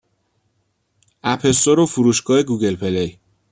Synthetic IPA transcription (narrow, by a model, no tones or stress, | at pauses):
æpʰe̞st̪oɾofuɾuːʃɡɒːhe̞ɡuɡe̞lpʰe̞lej